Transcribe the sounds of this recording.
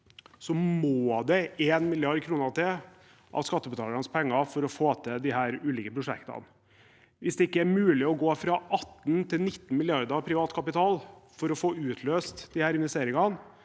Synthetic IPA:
sɔmoːd̪ɛeːnmɪlɪɑɾɖ̚kʰɾuːnət̪ʰɪl | ʔɑ̰ʋskɑt̪ːəbət̪ʰɑːlɾɑnəspʰɛŋːɑfɔɾɔfoːt̪ʰɛd̪ɪhæːɾʉːliːkəpʰɾʊʂɛ̰kt̪ɑ̰n | ʋɪsd̪ɛɪkːəæɾmʉːlɪɔɡoːfɾɑʔɑt̪ːnt̪ʰɪlnɪt̪ːn̩mɪlɪɑɾd̪ɑpʰɾɪʋɑːt̪kʰɑpɪt̪ʰɑːlfɔɾɔfoːʉːt̪ʰløːst̪d̪̥ɪhæːɾɪnʋɛst̪eːɾɪŋɑn

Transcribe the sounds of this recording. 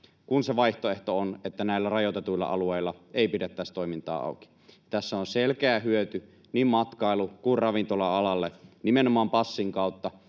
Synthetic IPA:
kunseʋɑiht̪oeht̪oonet̪ːænæˑilːærɑjot̪et̪uilːɑ̰ʔɑ̰lueˑilːɑeˑipidet̪ːæst̪oˑimint̪ɑ̰ːɑ̰ˑuki̥ | jɑt̪æsːæonselkeæːhyøt̪y | niːmmɑt̪kɑˑilːukuirrɑʋint̪olɑɑlɑlːenimenomɑːmpɑsːiŋkɑˑut̪ːɑ

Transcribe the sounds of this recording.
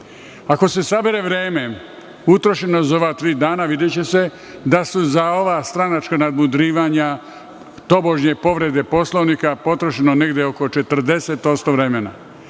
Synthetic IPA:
ako̞se̞sabeɾeʋɾe̞ːme | ut̪ɾo̞ʃenozoʋaːt̪ɾiːd̪aːnaʋid̪et͡ɕe̞se̞ | d̪asuzao̞ʋast̪ɾanat͡ʃkanad̪mud̪ɾiːʋaɲa | t̪o̞bo̞ʒɲe̞po̞ʋɾe̞d̪e̞po̞slˠoʋnikapo̞t̪ɾoʃenone̞ɡd̪eoko̞t͡ʃe̞t̪r̩d̪e̞se̞t̪o̞st̪o̞ʋɾemena̰

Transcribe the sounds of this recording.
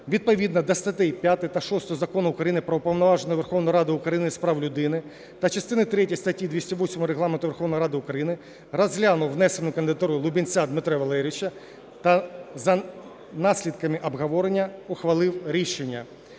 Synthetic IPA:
ʋʲid̪̚pɔʋʲid̪nɐd̪ɐst̪ɐt̪ɪjpʲjat̪ɪt̪ɐʃɔst̪ɔɔzɐkɔnʊʊkɾɐjinɪpɾɔʊpɐwnɔʋɑʒenɔjɔʋerxɔwnɔjɾɑd̪ɪʊkɾɐjinɪspɾɑwlʲʊd̪ɪnɪ | t̪ɐt͡ʃɐst̪ɪnɪt̪ɾɛtʲijst̪ɐtʲːid̪ʋʲisʲtʲɐʋɔsʲmɔɔɾeɦlˠɑment̪ʊʋʲrxɔwnɔjɾɑd̪ɪʊkɾɐjinɪ | rɐzʲɦlʲanʊwnɛsenʊkɐnd̪ɪd̪ɐt̪uɾʊjʊlˠʊbʲinʲt͡sʲad̪mɪt̪ɾɛʋɐlˠɛɾʲʋɪt͡ʃɐ | t̪ɐzɐ | nɑsʲlʲid̪kɐmɪʔɐbɦɐʋɔɾenʲːɐɔxʋɐlˠɪwɾʲiʃenʲːɐ

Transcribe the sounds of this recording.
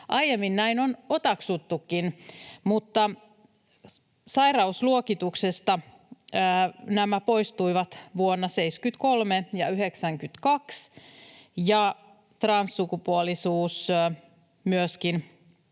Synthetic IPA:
ʔɑjjemːinnæinonot̪ɑksut̪ːukːinmut̪ːɑ | sɑirɑusluokit̪uksest̪ɑː | næmæpo̞ist̪uiʋɑt̪ʋuonːɑse̞iskyt̪kolmejɑyɦeksæŋkyt̪kɑks | jɑ | t̪rɑnsːukupuolisuːs | myøskin

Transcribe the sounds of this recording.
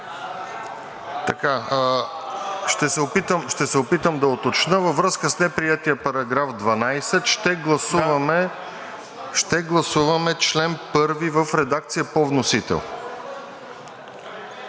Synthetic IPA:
t̪ɐka | ʃt̪ɛsɛopit̪əmʃt̪ɛsɛopit̪əmd̪ɐot̪ot͡ʃnəvəvɾɤskəsnɛpɾijɛt̪iəpɐɾɐɡɾafd̪vɐnajsɛt̪ʃt̪ɛɡlˠɐsuvɐmɛ | ʃt̪ɛɡlˠɐsuvɐmɛt͡ʃlɛnpɤɾvivəfɾɛd̪ak̚t̪sijəpovnosit̪ɛ̰lˠ

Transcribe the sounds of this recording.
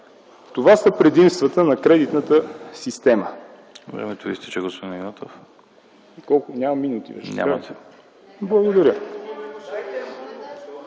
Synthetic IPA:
t̪ovasəpɾɛd̪imst̪vɐt̪ənɐkɾɛd̪it̪nət̪əsist̪ɛmə | vɾɛ̰mɛt̪ovist̪ɛ̥t͡ʃɛɡospod̪ʲinnat̪of | ikɔlˠkʊnʲamɐmːinut̪ḭvɛ̰ɲʲa̰aət̪ɛ | blˠɐɡod̪ɐɾʲə

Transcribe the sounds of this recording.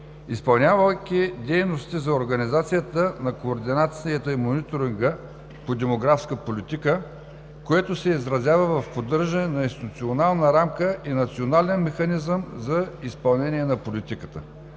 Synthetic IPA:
ispɐlˠnʲavəkʲid̪ɛjnost̪izɐoɾɡɐnizat̪sijət̪ənɐkoːɾd̪inat̪siət̪əimonit̪oɾiŋɡə | pod̪ɛmoɡɾafskəpolit̪ikə | koɛt̪osɛizɾɐzʲjavəvɐfpod̪ɤɾʒənɛnɐĩnst̪it̪ʊt̪sionalˠnəɾamkəʔinɐt̪sionalɛnmɛxɐnizəmzɐispɐlˠnɛniɛnɐpolit̪ikə̥t̪ə

